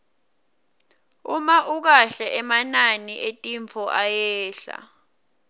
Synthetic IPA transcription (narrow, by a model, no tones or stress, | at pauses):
umaʔuk̬aɬɛʔɛmananiʔetʼiɱfʰɔʔajɛːɬa̰